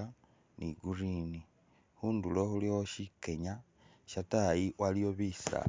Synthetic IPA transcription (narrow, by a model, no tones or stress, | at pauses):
a | niɡurini | xuːndulo̞xuliwoʃike̞ɲa | ʃatajiwalijoβisa̰